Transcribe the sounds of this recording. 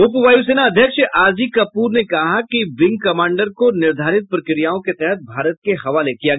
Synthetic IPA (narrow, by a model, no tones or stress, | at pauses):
ʊpʋaːjus̬eːnaɐd̪ʱjəkʃʔaːd͡ʒikɐpuːɾnekɐɦakiʋɪ̃ŋɡ̚kɐmãːɳɖəɾkonɪɾd̪ʱaːɾɪt̪̚pɾəkɾijaːõket̪ɛɦɛt̪̚bʱaːɾət̪̚kehɐʋaːlekijaɡ